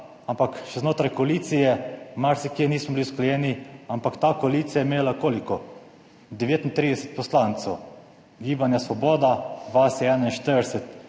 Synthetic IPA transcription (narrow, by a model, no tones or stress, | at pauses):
ampakʃɛznoːt̪ɾajkɔaliːt̪sijɛmaɾsikjeniːsmɔbiliusklɛjɛniampakt̪aːkoaliːt̪sijajemeːlakoːlikɔ | d̪ɛʋeːt̪int̪ɾid̪ɛsɛt̪̚pɔslant̪sɛw | ɡiːbanjasʋɔbɔːd̪ad̪ʋasɛɛnainʃt̪əɾd̪ɛsɛt̪